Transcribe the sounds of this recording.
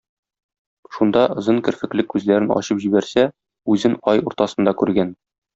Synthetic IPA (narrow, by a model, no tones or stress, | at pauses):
ʃund̪ɑ̆zɤŋkɘ̆ɾfɘ̆klɘkːʉzlæɾɘnɒ̰ɕɤpʑibæɾsæ | ʉzɘnɒjuɾt̪ɑsɤ̆nd̪ɑkʉɾɡæn